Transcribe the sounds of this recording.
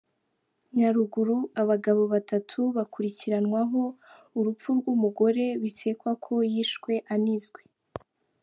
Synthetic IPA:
ɲaɾuɡuɾuaβaɡaβo̞βatatʰuβakuɾiciɾanŋwaɦo̞ | uɾup͡fuɾɡumuɡo̞ɾe̞βitʰe̞ːkwakʰo̞jiːʃkwe̞ʔanizɡwe

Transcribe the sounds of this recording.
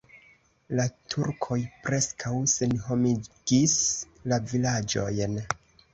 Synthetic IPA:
latʰuɾkʰo̞jpɾe̞skʰawse̞nɦo̞miɡ̥is | lavilad͡ʒo̞jn

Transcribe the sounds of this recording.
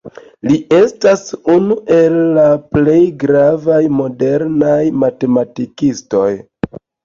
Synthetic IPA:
liʔe̞stasunuʔe̞lːaple̞jɡɾavajmo̞de̞ɾnajmate̞matikisto̞j

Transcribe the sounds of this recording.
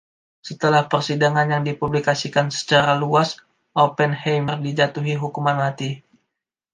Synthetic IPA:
sət̪əlahpərsidaŋanjaŋdipublikasikansə̥t͡ʃaɾaluas | ʔopɛnhejmərdid͡ʒat̪uɦiɦukumanmat̪i

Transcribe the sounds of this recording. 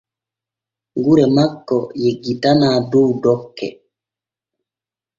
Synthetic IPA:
ŋɡuɾɛmakːɔjeɡitanaːduwdɔkːɛ̰

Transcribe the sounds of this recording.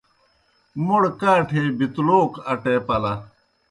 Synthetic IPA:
moɽkaːʈʰeːbit̪loːkɐʈeːpɐlɐ

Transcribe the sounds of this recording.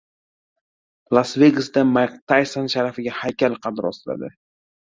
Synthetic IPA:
lˠasve̞ɡɨsd̪amakt̪ʰajsanʃaɾafɪɡʲahajkʲalqʰɑd̪ɾɒsɪla̰d̪ɪ

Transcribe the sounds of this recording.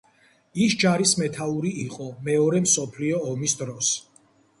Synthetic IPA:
isd͡ʒaɾismɛt̪ʰauɾiiqʼɔmɛɔɾɛmsɔpʰliɔːmisd̪ɾɔs

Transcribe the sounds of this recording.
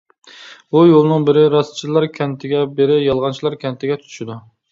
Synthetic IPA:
ujolˠnɨŋbɪɾɪɾɑst͡ʃʰilˠɑɾkʲʰɛnt̪ʰɪɡʲɛbeɾɪjɑlˠʁɑnt͡ʃʰilˠɑɾkʲʰɛnt̪ʰɪɡʲɛt̪ʰy̥t̪ʰʃɪd̪u

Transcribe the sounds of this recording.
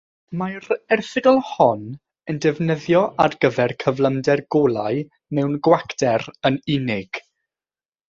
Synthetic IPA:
majrɛrθɪɡɔlˠhɔn | əndɛvnəðjɔʔarɡ̥əvɛrkʰəvlˠəmdɛrɡolˠaɨ | mɛwnɡwakdɛɾənɪnɪɡ̥

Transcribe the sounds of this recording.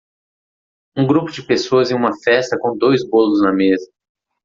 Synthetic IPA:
ũɡɾupʊd͡ʒɪpesoɐzẽj̃ũmɐfɛst̪ɐkõw̃d̪ojzbolʊznɐmezɐ

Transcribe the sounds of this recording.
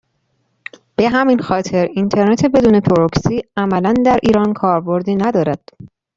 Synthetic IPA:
b̥e̞ɦæminxɒːt̪ʰe̞ɾint̪ʰe̞ɾnet̪ʰe̞be̞d̪uːne̞p̪ʰoɾoksiːæmælænd̪æɾʔiːɾɒːnkʰɒːɾbo̞ɾd̪iːnæd̪ɒːɾæd̪̥

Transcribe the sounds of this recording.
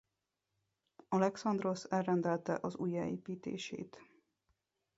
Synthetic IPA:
ɒlɛksɒnd̪ro̞sɛlrɛnd̪ɛlt̪ɛ̰ʔɒzuːjɛeːpiːt̪ḛːʃḛːt̪

